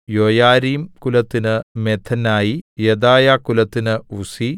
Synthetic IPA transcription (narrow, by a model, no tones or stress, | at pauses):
joːjaːɾiːmkulɐt̪ːinɨmet̪ʰɐnːaːjijed̪aːjaːkːulɐt̪ːinɨusi